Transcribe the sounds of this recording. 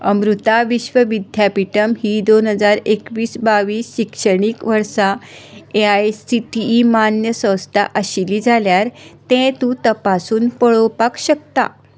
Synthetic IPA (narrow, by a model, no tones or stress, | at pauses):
əmɾut̪aʋiɕʋəʋid̪ʱjapiʈəmɦiːd̪onɦəd͡zaɾekʋiːsbaʋiːsːikʂəɳ̃iːkʋəɾsaeajsiʈiːmanjəsə̃wst̪ʰa̰ʔəɕiliːd͡zʱaljaɾt̪ɛ̃t̪ũt̪əpasuːnpəɭowpakɕək̚t̪a̰